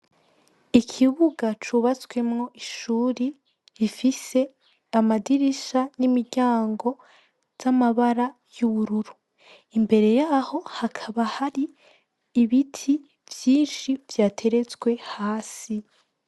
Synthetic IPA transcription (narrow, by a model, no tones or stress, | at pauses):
ikʰiβuɡat͡ʃuβat͡swe̞mŋo̞ʔiʃuːɾi | ifise̞ | amadiɾiʃanimiɾɟaːŋɡo̞ | z̥amaβaɾa | juβuɾuɾu | imbe̞ɾe̞jaːho̞hakʰaβahaɾiː | βitʰi | v̥jiːnʃiv̥jaːtʰe̞ɾe̞t͡sɡwe̞haːsi